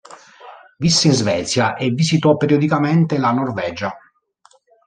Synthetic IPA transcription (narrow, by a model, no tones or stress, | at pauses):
visːeinzvɛːt̪sjaʔevisit̪ɔpːeɾjod̪ikament̪elanorvɛːd͡ʒa